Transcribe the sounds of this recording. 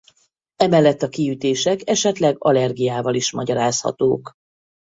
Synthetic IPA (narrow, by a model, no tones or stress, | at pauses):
ɛmɛlːɛt̪ːɒkiyt̪eːʃɛkɛʃɛt̪lɛɡɒlɛrɡijaːvɒliʃmɒɟɒɾaːshɒ̰t̪oːk